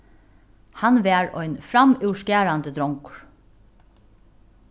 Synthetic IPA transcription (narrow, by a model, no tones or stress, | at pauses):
hanʋæːɹɔ̰jnfɾamʉwʂkæːɹand̪əd̪ɾɔŋkʊ̥ɹ̥